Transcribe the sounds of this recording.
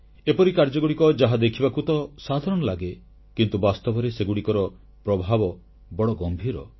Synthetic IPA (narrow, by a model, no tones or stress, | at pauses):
epɔɾikaɾd͡ʒɔɡuɽikɔd͡ʒaɦad̪ekʰibakut̪ɔsad̪ʱaɾɔɽ̃ɔlaɡe | kint̪ubast̪ɔbɔɾeseɡuɽikɔɾɔ | pɾɔbʱabɔ | bɔɽɔɡɔmbʱiɾɔ